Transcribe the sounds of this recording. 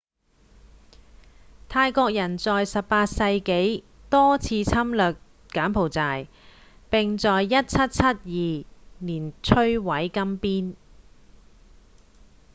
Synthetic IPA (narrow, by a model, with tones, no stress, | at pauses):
t̪ʰaː˧jkɔː˧k̚jɐ˨˩nt͡sɔː˨jsɐ˨ppaː˧t̚sɐ˧jke˨˥j | t̪ɔː˥t͡sʰiː˧t͡sʰɐ˥mlœː˨˩k̚ | kaː˨˥npʰo˨˩wt͡saː˨˩j | pɪ˨ŋt͡sɔː˨jːɐ˥t̚t͡sʰɐ˥t̚t͡sʰɐ˥t̚jiː˨niː˨˩nt͡ʃʰɵ˥ɥwɐ˨˥jkɐ˥mpiː˥n